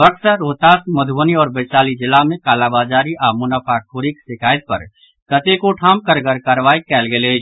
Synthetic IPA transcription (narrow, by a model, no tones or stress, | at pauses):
bəksəɾoːt̪aːsmɐd̪ʱəniɔːɾbɐt͡ʃaːlid͡ʒɪlːamẽkaːlaːbaːd͡ʒaːɾiʔaːmʊnapʰakʰoːɾiksɪkʰaːjət̪̚pə̰ɾ | kət̪ekoʈʰaːm̚kəɾɡəɾkəɾʋaːikɛːlɡele